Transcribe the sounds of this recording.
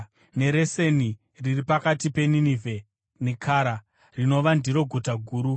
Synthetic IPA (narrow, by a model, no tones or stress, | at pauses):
ne̞ɾe̞se̞ni | riripakatipe̞ninive | nikʰaːɾa | rino̞ʋandiɾo̞ɡʱutaɡʱuːɾu